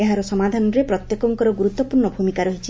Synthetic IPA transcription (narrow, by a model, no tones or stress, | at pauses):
eɦaɾɔsɔmad̪ʱanɔɾepɾɔt̪jekɔŋkɔɾɔɡuɾut̪ːɔpuɾɳɔbʱumikaɾɔɦit͡ʃʰi